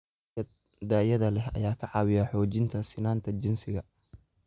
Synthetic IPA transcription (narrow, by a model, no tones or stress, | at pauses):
ɐ | d̪aːjɐðɐlɛhɐ̰jaːkʰɐʕɑːwɪjaħɔːt͡ʃɪnt̪ʰɐsɪnaːnt̪ʰɐt͡ʃɪnsɪɣɐ